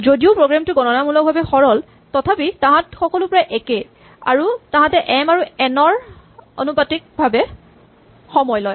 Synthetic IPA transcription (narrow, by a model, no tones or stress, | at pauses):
zodiʊpɹoɡɹamtʊɡɔnɔnamulɔk̚bʱabɛxɔɹɔl | tɔtʰapitãɦãtxɔkɔlʊpɔɹajʔɛke | a̰ɹutãɦãtɛʔɛmaɹuɛnɔɹ | o̰nupatik̚bʱabɛ | xɔmɔjlɔj